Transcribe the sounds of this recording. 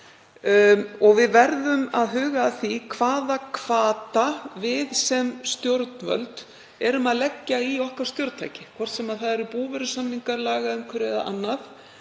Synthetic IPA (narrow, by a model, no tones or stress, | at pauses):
ɔɣvɪðvɛɾðʏmaðɦʏːɣaːθikʰvaːðakʰv̥aːt̪avɪðsɛmst̪jowɾt̪nvœ̰lt̪ | ɛɾʏmaðlɛcːaiɔhkaɾ̥st̪jowɾt̪a̰jcɪkʰvɔr̥t̪sɛmaðθaðɛɾɪpuːvɛɾʏsanːiŋkaɾlaːɣaʏmkʰvɪɾɛða̰ʔa̰nːaθ